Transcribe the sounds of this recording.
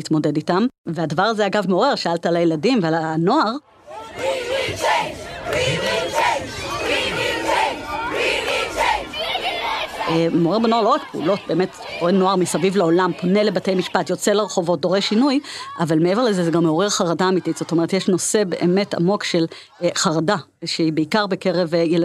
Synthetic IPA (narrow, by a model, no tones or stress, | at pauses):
itmo̞de̞ditamveadavaʁaze̞aɡavmeoʁeʁʃaaltaalajeladimvealano̞aʁ | moʁeʁbeno̞aʁlo̞ʁakpeṵlo̞t̚be̞me̞td̥oʁeno̞aʁmisavivlao̞lampo̞ne̞le̞bate̞jmiʃpatjo̞t͡seleʁeχo̞vo̞t̚do̞ʁeʃinujʔavalmee̞veʁlezezeɡamːeoʁeʁχaʁadaːmititz̥ot̪o̞meʁet̪jeʃno̞se̞be̞ʔeme̞ta̰mo̞kʃe̞l | χaʁada | ʃeibeikaʁbeke̞ʁevjel